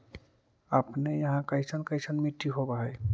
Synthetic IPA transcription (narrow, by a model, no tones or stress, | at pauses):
apnejãɦãkajsʰankajsʰanmiʈːiɦobaɦɔj